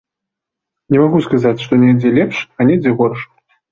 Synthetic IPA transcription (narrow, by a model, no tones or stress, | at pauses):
nʲɛmaɣuskazat͡sʲʂt̪ɔnʲɛd͡zʲɛlʲɛpʂanʲɛd͡zʲɛɣɔrʂ